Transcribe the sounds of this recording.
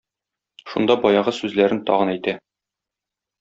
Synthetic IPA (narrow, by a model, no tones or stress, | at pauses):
ʃṵnd̪ɑbɒjɑʁɤsʉzlæɾɘnt̪ɒ̰ʁɤ̆næjt̪æ